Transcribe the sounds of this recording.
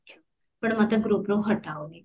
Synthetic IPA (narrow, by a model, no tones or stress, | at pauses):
pɐɳmət̪ləb̚ɡɾupɾoɦɐʈːaːoːɡeː